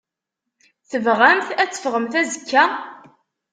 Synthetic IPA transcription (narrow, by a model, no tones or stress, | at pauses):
θəvʁænθæt͡sːə̥fʁəmθæzəkːæ